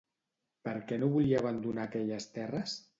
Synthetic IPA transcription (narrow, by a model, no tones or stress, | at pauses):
pəɾkɛnoβuliaβand̪unakɛʎəst̪ɛrəs